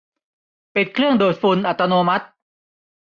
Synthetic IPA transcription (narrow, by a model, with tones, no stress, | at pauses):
pe˨˩t̪̚kʰɾɯ˥˩əŋdoː˨˩t̪̚fu˧nʔa˨˩t̪ːa˧noː˧ma˦˥t̪̚